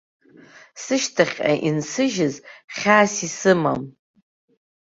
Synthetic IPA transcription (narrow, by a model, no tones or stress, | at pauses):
sɨʃtʰaχʲa̰ʔinsɨʒɪzχʲaːsisɨma̰m